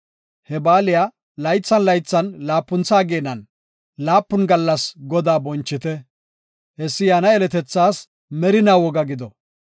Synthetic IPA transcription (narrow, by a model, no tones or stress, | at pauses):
hɛbaːlɪja | lɐjt͡sːɐnlɐjt͡sːɐnlaːpːʊnt͡saːɡeːnɐn | laːpːʊnɡɐlːɐsɡɔd̪aːbɔnt͡ʃːɪt̪ɛ | hɛsːɪjaːnɐɛlɛt̪ɛt͡sːaːs | mɛɾɪnaːwɔɡɐɡɪd̪ɔ